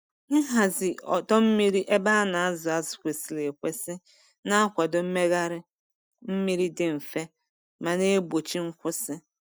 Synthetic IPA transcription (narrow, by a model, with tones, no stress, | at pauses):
ŋ̩˦ɦa˨zɪ˨ɔ̰˨tɔ˦m̩˦mi˦ɾi˦ʔe˦ba˦na˨a˦zʊ˨a˨zʊ̥˨kʷe˨si˨le˨kʷe˦sɪ˦ | na˦a˦kʷa˨dʊ˨m̩˦me˦ɣa˦ɾɪ˦ | m̩˦mi˦ɾi˦dɪ˨m̩˨fe˦ | ma˨ne˦bo˨t͡ʃi˦ŋ̩˦kʷʊ˦sɪ˦